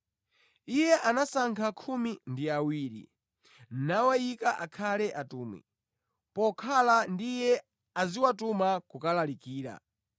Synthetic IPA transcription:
ijɛʔanasaŋkʰakʰumindiawiːɾḭ | n̩nawaikaʔakʰalɛʔatuːmwḭ | pɔkʰalandijɛ | aziwatumakukalalikiːɾa̰

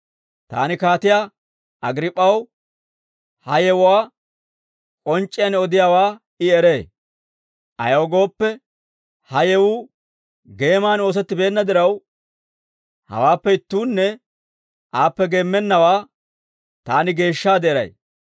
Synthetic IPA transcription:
t̪a̰ːnɪkaːt̪ɪja | ʔɐɡɾɪpʼːɐw | hɐjɛwʊwaː | kʼɔnt͡ʃʼːɪjɐnɔd̪ɪjaːwaː | ɪɛɾe̞ː | ʔɐ̰joːɡo̞ːpːɛ | hɐjɛwu | ɡe̞ːmaːno̞ːs̬ɛt̪ːɪbe̞ːnːɐd̪ɪɾɐw | hɐ̰waːpːɛɪt̪ːuːnːɛ | ʔaːpːɛɡe̞ːmːɛnːɐwaː | t̪aːnɪɡe̞ːʃːaːd̪eːɾɐ̰j

